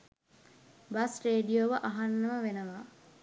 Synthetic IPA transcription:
basreːɖijoːʋəʔaɦanːəməʋenəʋaː

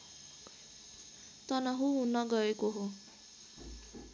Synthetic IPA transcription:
t̪ʌnʌɦuɦunʌɡʌekoɦo

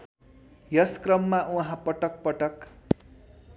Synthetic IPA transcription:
jʌskrʌmːaʔuɦãpʌʈʌk̚pʌʈʌk

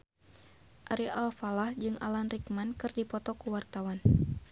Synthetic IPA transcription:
ʔaɾiʔalfalahd͡ʒɨŋʔa̰lanrikmankɨrdipɔt̪ɔkuwart̪awan

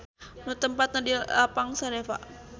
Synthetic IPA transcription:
nut̪əmpat̪̚nadiapaŋsaɾefa̰ʔ

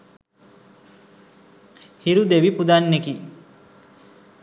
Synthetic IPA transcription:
hiɾud̪eʋipud̪anːeki

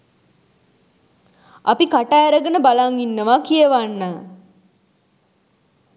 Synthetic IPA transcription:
apikaʈaeɾəɡənəbalaŋinːəʋakijəʋanːə

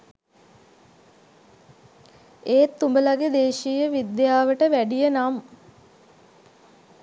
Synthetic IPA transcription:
eːt̪ːumbəlaɡed̪eːʃijəʋid̪jaːʋəʈəʋæɖijənam

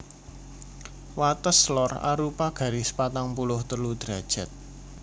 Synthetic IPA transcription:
wat̪əslɔra̰ɾupaɡ̥ä̤ɾisə̥pat̪aŋpulʊht̪əlud̪̥ɾa̤d̥ʒ̥a̤t̪̚

